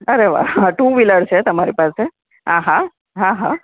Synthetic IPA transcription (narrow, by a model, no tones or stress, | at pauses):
əɾeʋa̰aʈuːʋiləɽset̪əmaɾipase | ɦãɦã | ɦãɦã